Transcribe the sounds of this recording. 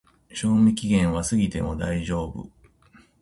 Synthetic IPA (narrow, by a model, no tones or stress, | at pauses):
ɕo̞ːmʲikʲiɡẽ̞ɰ̃βasɨɡʲit̪e̞̰mo̞d̪aiʑo̞ːbɯ̰